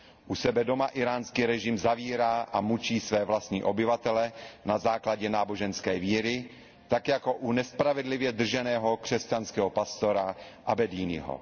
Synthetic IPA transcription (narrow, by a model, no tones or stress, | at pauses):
ʔusɛbɛdomaʔɪɾaːnskiɾɛʒɪmzaviːɾaːʔamut͡ʃiːsvɛːvlast̪ɲḭːʔo̞bɪvat̪ɛlɛnazaːklaɟɛnaːboʒɛnskɛːviːɾɪ | t̪akjako̞ʔunɛspɾavɛdlɪvjɛd̪r̩ʒɛnɛːɦo̞kr̥ɛscanskɛːɦo̞past̪o̞ɾaʔabɛdiːnɪ̰ɦo̰